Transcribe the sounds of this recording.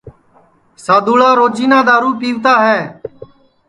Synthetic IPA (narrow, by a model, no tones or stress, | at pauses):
saːd̪uːlaːɾoːd͡ʒiːnaːd̪aːɾuːpiːʋt̪aːɦɛː